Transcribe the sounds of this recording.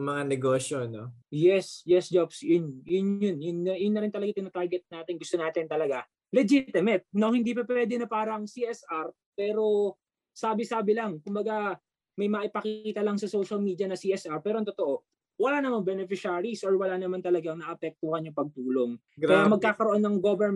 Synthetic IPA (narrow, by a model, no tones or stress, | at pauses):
mɐŋanɛɡoːsonojɛsjɛsd͡ʒobsjʊnjʊnjʊnjʊnːɐjʊnːɐɾɪnt̪ɐlɐɡat̪ɪnot̪aɹɡɛt̪̚naːt̪ɪnɡʊst̪o̞naːt̪ɪnt̪ɐlɐɡa | lɛd͡ʒit̪ɪmɛt̪̚nohɪnd̪iːpɐpwɛːd̪ɛnɐpaːɾɐɐŋsiʔɛsʔaɾ | pɛːɾo̞ | saːbɪsaːbɪlɐŋkʊmbɐɡa | mɐjmɐʔɪpɐkiiːt̪ɐlɐŋsɐsowʃɐlmiːd̪iɐnɐsiːʔɛsʔaɹpɛːɾoɐŋt̪ot̪oʔo̞ | wɐlanɐmaŋbɛnɛfɪʃaːɾisʔoɹwɐlanɐmant̪ɐlɐɡaŋnɐʔɐpɛk̚t̪ohɐnjʊŋpɐɡ̚t̪uːlo̞ŋ | ɡɐjamɐɡkːaːkɐɾoonːɐŋɡobɛɹm